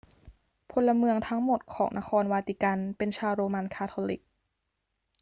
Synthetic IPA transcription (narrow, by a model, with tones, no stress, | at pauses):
pʰo˧nla˧mɯ˧əŋt̪ʰa˦˥ŋmo˨˩t̪̚kʰɔː˩˦ŋnʔa˧xʰɔː˧nwaː˧t̪i˧˩ka˧npe˧nt͡ɕʰaː˧wɾoː˧ma˧nkʰaː˧˥t̪ʰoː˧li˨˩k̚